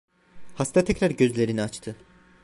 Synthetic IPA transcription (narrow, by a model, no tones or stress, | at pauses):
hast̪ʰat̪ʰɛcɾæɾɟø̞zlʲe̞ɾiniat͡ʃt̪ʰɯ